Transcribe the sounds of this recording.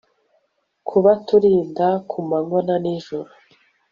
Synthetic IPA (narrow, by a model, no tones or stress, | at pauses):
kʰuβatuɾiːndakʰumaŋonaniʒoɾu